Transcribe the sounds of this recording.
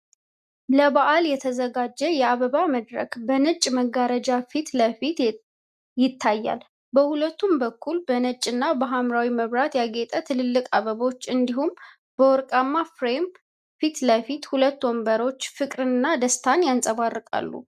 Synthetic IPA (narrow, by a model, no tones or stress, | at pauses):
ləβaʔaljɛt̪ʰəzəɡad͡ʒːɛjɛaβəβaməd̪ɾə̰kbənɨt͡ʃʼːməɡːaɾəd͡ʒafit̪ləfit̪ | jɪt̪ʰːajːa̰l | bəhulət̪ːumbəkʰːulbənət͡ʃʼːɨnːabəɦamɾawiməβɾat̪jaɡet̪ʼət̪ʰɨlɨlːɨkʼaβəβot͡ʃːɨnd̪ihum | b̥əwɔɾkʼamːafɾem | fit̪ləfit̪hulət̪ːwɔmbəɾo̞t͡ʃːfɨkʼɾɨnːad̪əst̪ʰanjansʼəβarːɨkʼa̰lːṵ